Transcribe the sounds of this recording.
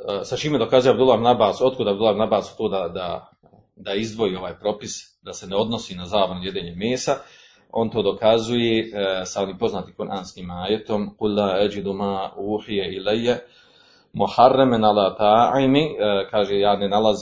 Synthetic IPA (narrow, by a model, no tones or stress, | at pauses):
sat͡ʃiːmed̪o̞kazujeabd̪ulːˠaːhib̪dnabaːso̞t̪̚kod̪abd̪ulːahibnabaːsu̥t̪oːd̪ad̪a̰ | d̪aizd̪ʋo̞iːo̞ʋaːjpɾo̞pis | d̪aseneo̞d̪nosiːnazaːʋonojed̪eːɲemeːsa | o̞ːnt̪oːd̪okazujesao̞niːmpo̞znaːt̪ikuɾʔaːnskiːmaːjet̪o̞mqulːaːad͡ʒid̪umaːuːħijɛilejːa | muħarːemenalaːt̪aːʕimikaːʒejaːnenalˠaz